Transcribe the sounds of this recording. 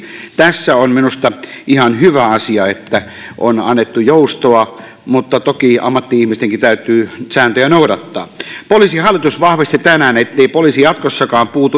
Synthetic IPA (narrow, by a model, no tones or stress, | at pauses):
t̪æsːæonminust̪ɑʔihɑnhyʋæɑsiɑet̪ːæ | ʔonɑ̰nːet̪ːujoˑust̪oɑ | mut̪ːɑt̪okiʔɑ̰mːɑt̪ːiihmist̪eŋkit̪æˑyt̪ˑyːsæːnt̪øjænoˑuɾɑt̪ːɑ̰ːpoliːˑsihɑlːˑit̪usʋɑhʋist̪it̪ænæːnet̪ːeˑipoliːsijɑt̪kosːɑkɑːmpuːt̪u